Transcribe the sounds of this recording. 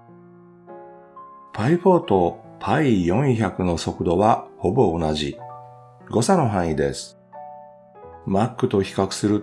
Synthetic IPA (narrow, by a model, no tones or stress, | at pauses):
pʰaiɸoːt̪o̞pʰaijõ̞çakɯ̟no̞so̞kɯ̟d̪o̞βaho̞bo̞ːnaʑi | ɡo̞sano̞ɦãɰ̃id̪e̞sɨ̥ | makːɯ̟t̪o̞çi̥kakɯ̟̥sɨɾɯ̟